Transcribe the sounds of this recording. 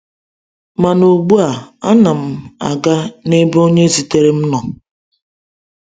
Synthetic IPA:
ma˨nu˨ɡ͡bu˦a˨a˦na˨m̩˦a̰˨ɡa˦ne˦bo˦ɲe˦zi˨te˨ɾe˦m̩˦nɔ˨

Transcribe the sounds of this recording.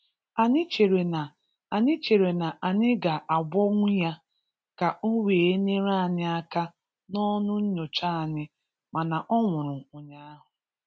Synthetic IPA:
a˨ɲɪ˦t͡ʃe˨ɾe˨na˨ | a˨ɲɪ˦t͡ʃe˨ɾe˨na˨ʔa˨ɲɪ˦ɡa˨ʔa˨ɡ͡bʷɔ˦ŋʷʊ˦ja˦ | ka˨ʔo˦we˨e˦ɲe˦ɾa˦a˨nɪ˦a˦ka˦ | nɔ˦nʊ˦n̩˦ɲo˨t͡ʃa˦˨nɪ˦ | ma˨na˨ʔɔ˦ŋʷʊ˨ɾʊ˨ʊ˦ɲa˦a˦ɦʊ˨

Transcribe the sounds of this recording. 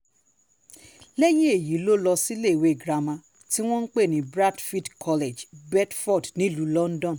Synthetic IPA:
lɛ˦j̃ĩ˦e˦˨ji˨˦lo˦lɔ˧si˦le˦˨we˦˨ɡɾa˧mã˧ | ti˦w̃ɔ̃˦n̩˦k͡pe˦˨nĩ˨˦bɾa˦dfi˦dkʰɔ˧le˨d͡ʒbɛ˦tfɔ˦˨dnĩ˨˦lu˨lɔ˦n̩˦dɔ̃˦˨n˨

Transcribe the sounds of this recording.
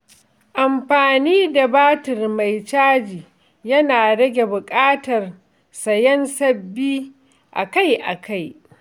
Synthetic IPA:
ʔa˨mɸaː˨niː˦da˨baː˦tɪ˨rma˨jt͡ʃaː˦d͡ʒiː˨ | jɐ˦naː˨ɽɐ˦ɡʲe˨bʊ˨kʼaː˦tɐ˨r | sɐ˨jɐ˦nsɐ˦bːiː˦ | ʔa̰˨ka˦jʔa̰˨ka˦j

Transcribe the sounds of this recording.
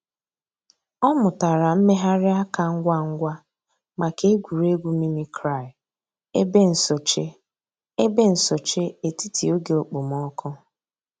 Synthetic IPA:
ɔ˦mʊ˨ta˨ɾa˨m̩˦me˦ɦa˦ɾɪ˦a˦ka˨ŋ̩˦ɡʷa˦ŋ̩˦ɡʷa˦ | ma˨ke˦e˦ɡʷu˨ɾe˦ɡʷu˦mi˦mi˦kʰɾa˦˨ɪ˨ | e˦be˦n̩˨so˨t͡ʃe˦ | e˦be˦n̩˨sɔ˨t͡ʃe˦e˨ti˦ti˨o˦ɡe˨o˨k͡pʊ˨m˦ɔ˦kʰɔ˦

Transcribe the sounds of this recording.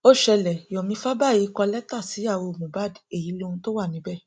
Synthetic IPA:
o˦ʃɛ˧lɛ˨jɔ̃˨mĩ˧˦fa˦ba˦˨ji˨˦kɔ˧lɛ˦ta˦˨si˨˦ja˦˨wo˧˨mũ˨ba˦˨di˨˦e˦˨ji˨˦lo˧hũ˧to˦wa˦˨nĩ˨˦bɛ˦˨

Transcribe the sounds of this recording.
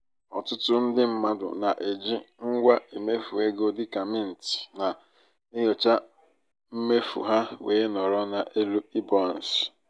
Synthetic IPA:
ɔ˨tʊ˦tʊ˦n̩˦dɪ˦m̩˦ma˦dʊ̰˨na˨ʔe˨d͡ʒi˦ŋ̩˦ɡʷa˦ʔe˨me˦fu˨e˦ɡo˦dɪ˦ka˨mɪ˦n̩˨tɪ̥˨na˨ | ɪ˦ɦɔ˨t͡ʃa˦ | m̩˦me˦fṵ˨ɦa˦weː˨˦nɔ˨ɾɔ˦na˨ʔe˦lu˦i˦bɔ˦˨n̩˨s

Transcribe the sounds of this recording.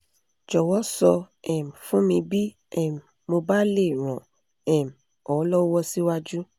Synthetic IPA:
d͡ʒɔ˨wɔ˦sɔ˧ | ɛ˨m̩˨fũ˦mĩ˧bi˦ | ɛ˦˨m˨mo˧ba˦le˦˨ɾ̃ɔ̃˨ | ɛ˨m˨ | ɔ˨˦lɔ˦wɔ˦si˦wa˦d͡ʒu˦

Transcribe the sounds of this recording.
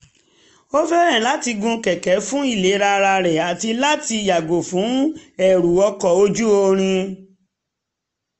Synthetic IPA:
o˦fɛ˦ɾɛ̃˦˨la˦ti˧ɡũ˧kɛ˨kɛ˨˦fũ˦i˦˨le˨˦ɾa˧ɾa˧ɾɛ˨a˨ti˧la˦ti˧ja˨ɡo˨fũ˨˦ɛ˨ɾu˨ɔ˧kɔ˨o˧d͡ʒu˦o˧ɾ̃ĩ˧

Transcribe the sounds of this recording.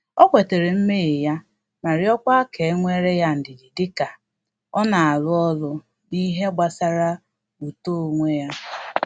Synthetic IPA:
ɔ˦kʷe˨te˨ɾe˨m̩˦me˦˨e˨ja˦ | ma˨ɾɪ˦ɔ˦kʷa˦ke˨e˦ŋʷe˦ɾe˦ja˦n̩˨dɪ˨di˨dɪ˦ka˨ | ɔ˦na˨a˨lʊ˦ɔ˦lʊ˦ | di˦ɦe˦ɡ͡ba˨sa˦ɾa˦ | u˨to˦o˨ŋʷe˦ja˦

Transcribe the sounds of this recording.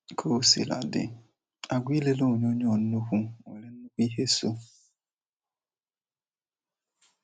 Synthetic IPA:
kʰo˦sḭ˨la̰˨dɪ̰˨ | a˨ɡʷi˦le˦lo˦˨ɲ˦o˦ɲɔ˨n̩˦nʊ˦kʷu˦˨ḛ˨le˨n̩˦nʊ˦kʷu˦i˦ɦe˦so˦

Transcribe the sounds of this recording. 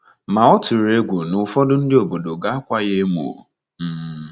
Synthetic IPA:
ma˨ɔ˦tʊ˨ɾe˦ɡʷu˨nʊ˨fɔ˦dʊ˦n̩˦dɪ˦o˨bo˨do˨ɡa˦a˦kʷa˦je˦mo̰˨ | m̩˦˨

